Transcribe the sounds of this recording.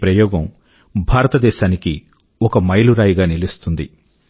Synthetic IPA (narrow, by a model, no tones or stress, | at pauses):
pɾɐjɔːɡɐm | bʱaːɾɐt̪ɐd̪ɛːʃaːniki | ɔkɐmɐjluɾaːjiɡaːnilist̪und̪i